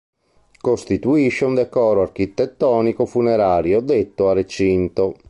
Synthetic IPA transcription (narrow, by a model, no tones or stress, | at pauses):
kost̪it̪uiʃːeund̪ɛkɔːɾoark̟it̪ːɛt̪ːɔːnikofunɛɾaːɾjod̪et̪ːoaret͡ʃint̪o